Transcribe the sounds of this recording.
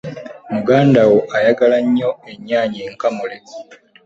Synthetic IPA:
muɡaːndawoʔajaɡalaɲːo̞e̞ɲːaːɲeːŋkamule

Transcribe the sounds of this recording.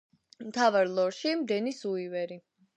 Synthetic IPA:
mt̪ʰavaɾlˠɔɾʃimd̪ɛnisuivɛɾi

